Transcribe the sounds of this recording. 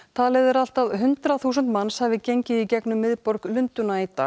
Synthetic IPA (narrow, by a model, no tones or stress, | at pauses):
t̪ʰalɛðʏɾal̥t̪aðɦʏnt̪ɾaθuːsənt̪manːshavɪcejɲcɪicɛknʏmːɪðpɔɾklʏnt̪ʏnait̪a̰